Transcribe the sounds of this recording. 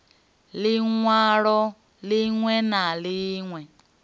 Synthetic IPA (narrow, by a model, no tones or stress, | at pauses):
liŋwaɺɔ | liŋwɛnaliːŋwɛ